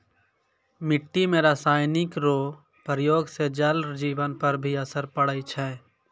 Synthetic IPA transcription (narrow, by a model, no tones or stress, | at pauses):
mɪʈːimeɾasaːɪnɪkɾoː | pəɾəjoːɡsed͡ʒəld͡ʒiːbənpəɾbʱiəsəɾpəɽəit͡ʃʰɛː